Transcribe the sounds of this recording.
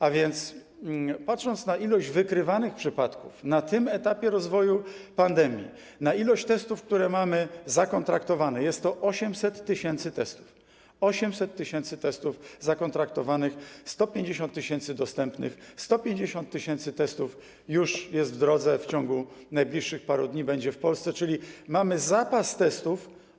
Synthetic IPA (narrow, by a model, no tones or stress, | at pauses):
avʲjɛnt̪s | pat̪ʂɔnt̪snaʔilɔʑd͡ʑvɘkɾɘvanɘxpʂɘpat̪kufnat̪ɘmɛt̪apʲjɛɾɔzvɔjupand̪ɛmʲjḭ | nailɔɕt͡ɕt̪ɛst̪ufk̚t̪uɾɛmamɘzakɔnt̪ɾakt̪ɔvanɛjɛst̪ːɔʔɔɕɛmsɛt̪ːɘɕɛnt̪sɘt̪ɛst̪u̥f | ɔɕɛmsɛt̪ːɘɕɛnt̪sɘt̪ɛst̪ufzakɔnt̪ɾak̚t̪ɔvanɘxst̪ɔpʲjeɲd͡ʑeɕɔnt̪ːɘɕɛnt̪sɘd̪ɔst̪ɛmpnɘ̰xst̪ɔpʲjeɲd͡ʑeɕɔnt̪ːɘɕɛnt̪sɘt̪ɛst̪uf | juʂjɛst̪vd̪ɾɔd̪zɛft͡ɕɔŋɡunajblʲiʂːɘxpaɾud̪ɲibɛɲd͡ʑɛfpɔlst̪sɛt͡ʂɘlʲimamɘzapast̪ɛst̪uf